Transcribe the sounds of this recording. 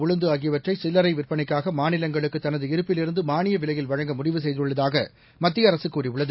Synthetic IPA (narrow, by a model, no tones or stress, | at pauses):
ʊɻɐnd̪ɯaːɣɪjɐʋɐʈrɐɪsɪlːɐɾɐɪʋɪrpɐnɐɪkːaːɣɐmaːnɪlɐŋɡɐɭɯkːɯt̪ːɐnɐðɯɪɾɯpːɪlɪɾɯnd̪ɯmaːnɪjɐʋɪlɐjɪlʋɐɻɐŋɡɐmʊɽɪʋɯsɛjðɪɯɭːɐðaːɣɐ | mɐt̪ːɪjɐːɾɐsɯkːuːriʋʊɭːɐðɯ